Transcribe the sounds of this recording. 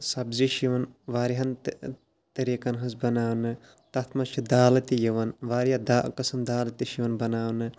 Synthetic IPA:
sɐbziʃiʋɐnʋaːɾiɦɐnt̪ | t̪ɐɾiːkɐnɦɐzbɐnaːwnɨ | t̪ɐt̪ʰmɐt͡ʃʰid̪aːlɐt̪ijɐʋɐnʋaːɾijɐd̪aːʔkɐsɐmd̪aːlɐt̪iʃiʋɐnbɐnaːʋnɨ

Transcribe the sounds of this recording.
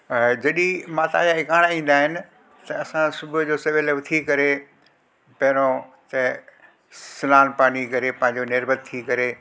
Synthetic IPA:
d͡ʑɐɗimaːt̪a̰jaɪkaːɽ̃aĩːn̆d̪aːɦɪnɪ̆ | t̪ɐɐsãsʊbʱʊd͡ʑoːsɐʋeleʋɪt̪ʰikɐɾe | pɐɦɪɾ̃õt̪ɐ | sɪlaːnpaːnikɐɾepɐ̃ːɦɪ̃ɲd͡ʑonɪɾbʱət̪̚t̪ʰikɐɾe

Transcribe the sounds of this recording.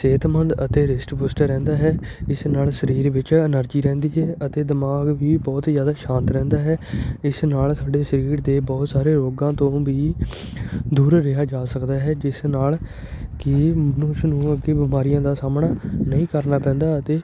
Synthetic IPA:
seːt̪mənd̪ət̪eːɾɪsʈbuːsʈəɾɛ̃ːnd̪aːɦɛːɪsnaːlsəɾiːɾʋɪt͡ʃənəɾd͡ʒiːɾɛ̃ːnd̪iːɦɛːʔət̪eːd̪ɪmaːɡʋiːbɔːt̪zjaːd̪aːʃãːnt̪ɾɛ̃ːnd̪aːɦɛːɪsnaːlsʰaːɖeːsəɾiːɾd̪eːbɔːt̪saːɾeːɾoːɡãːt̪õːʋiː | d̪uːɾɾɪɦaːd͡ʒaːsəkd̪aːɦɛːd͡ʒɪsnaːl | kɪmənʊsnũːəɡeːbɪmaːɾijãːd̪aːsaːmɳaːnəĩːkəɾnaːpɛ̃ːnd̪aːət̪eː

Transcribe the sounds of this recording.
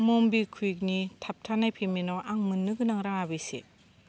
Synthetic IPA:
mombikʰuik̬̚nitʰap̚tʰanajpʰeminoʔaŋmɯnːɯɡɯnaŋɾaŋabisḛ

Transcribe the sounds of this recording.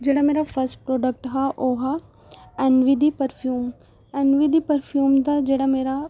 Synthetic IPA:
d͡ʒeːɽameːɾapʰəɾsʈpɾoːɖək̚ʈɦaʔoːɦa | ɛnʋid̪ipəɾpʰjuːm | enʋid̪ipəɾpʰjuːmd̪ad͡ʒeːɽameːɾa

